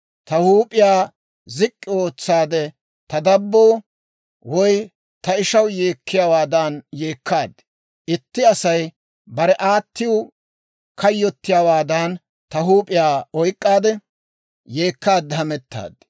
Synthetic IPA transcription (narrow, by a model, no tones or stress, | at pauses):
t̪ɐhuːpʼɪjaː | zɪkʼːɪo̞ːt͡sːaːd̪ɛ | t̪ɐd̪ɐbːo̞ː | wɔj | t̪ɐɪʃɐwje̞ːkʰːɪjaːwaːd̪aːnje̞ːkʰːaːd̪ | ʔɪt̪ːɪɐsɐj | bɐɾɛʔaːt̪ːɪjʊ | kʰɐjːɔt̪ːɪjaːwaːd̪an | t̪ɐɦuːpʼɪjaːɔjkʼːaːd̪ɛ | je̞ːkːaːd̪ːɛɦɐmɛt̪ːa̰ːd̪